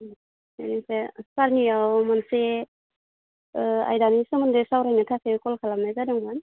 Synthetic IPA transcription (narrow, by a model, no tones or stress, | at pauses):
anisesaɾniawmanse | a̰jdanisumandesawɾajnatʰasekɔlkʰalamnajzadɯŋban